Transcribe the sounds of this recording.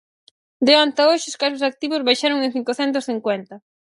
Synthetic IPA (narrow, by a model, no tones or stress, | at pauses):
d̪eant̪aoʃɪʊskasosak̚t̪iβʊzβajʃaɾoŋẽŋ̟θiŋkoθɛnt̪ʊsθiŋkwɛnt̪ɐ